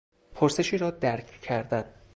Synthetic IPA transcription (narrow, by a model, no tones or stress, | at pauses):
pʰoɾse̞ʃiːɾɒːd̪æɾkʰcʰːæɾd̪æn